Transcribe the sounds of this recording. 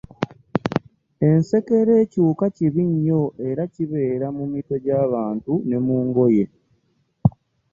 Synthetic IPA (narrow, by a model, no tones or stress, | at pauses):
e̞nse̞ke̞ɾe̞ːcuːkaciβiɲːo̞ʔe̞ɾaciβe̞ːɾamumito̞ɟaːβaːntune̞muːŋɡo̞je̞